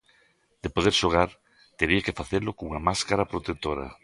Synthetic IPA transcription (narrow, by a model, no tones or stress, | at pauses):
d̪epoð̞eɾʃoɣ̞aɾ | t̪eɾiakefaθelʊkouŋamaskaɾapɾot̪ekt̪oɾa̰